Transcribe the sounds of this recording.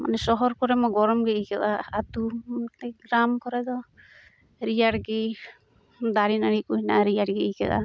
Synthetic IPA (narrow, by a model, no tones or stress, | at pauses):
ma̰nɛsɔɦɔɾkɔɾɛmɔɡɔɾɔmɡɛʔikɛʔaːt̪ut̪ɛɡɾamkɔɾɛd̪ɔ | ɾijaɽɡi | d̪aɾinaɽikujna̰ʔaɾijaɽɡiikɛ̰la̰